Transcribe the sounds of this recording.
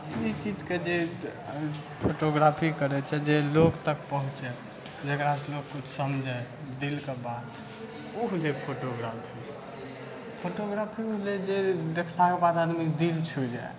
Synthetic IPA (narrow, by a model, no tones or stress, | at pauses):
sit͡ʃid͡ʒked͡ʒe | pʰoʈoɡɾapʰikəɾɛt͡ʃʰɛd͡ʒelokt̪ək̚pəɦũt͡ʃɛ | d͡ʒekɾaselokkut͡ʃʰsəmd͡ʒʱajd̪ilkebad̪ | uɦlepʰoʈoɡɾapʰi | pʰoʈoɡɾapʰiuɦled͡ʒed̪ekʰlakebad̪ad̪mikd̪ilt͡ʃʰud͡ʒae